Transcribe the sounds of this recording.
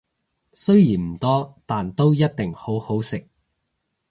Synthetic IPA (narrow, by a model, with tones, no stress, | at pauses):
sɵ˥ɥjiː˨˩nm̩˨˩t̪ɔː˥t̪aː˨nt̪o˥wjɐ˥t̚t̪ɪ˨ŋho˨˥who˨˥wsɪ˨k̚